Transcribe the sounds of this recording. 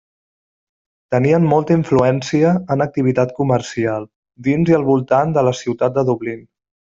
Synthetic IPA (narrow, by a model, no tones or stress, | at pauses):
t̪əniənmɔlˠt̪əiɱfluɛnsiəːnək̚t̪iβ̞it̪at̪kuməɾsialˠ | d̪inziəlˠβulˠt̪and̪ələsiwt̪at̪̚d̪əðuβlin